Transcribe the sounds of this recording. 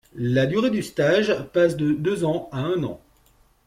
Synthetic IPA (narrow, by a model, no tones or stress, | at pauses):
lad̪yʁed̪yst̪aʒpasd̪əd̪øzɑ̃aɛ̃nɑ̰̃